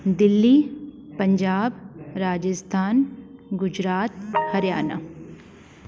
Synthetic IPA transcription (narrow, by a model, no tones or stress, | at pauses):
d̪ɪlːiː | pɐ̃ɲd͡ʒaːbɾaːd͡ʒəst̪ʰaːnɡʊd͡ʒɾaːt̪̚hɐɾjaːna̰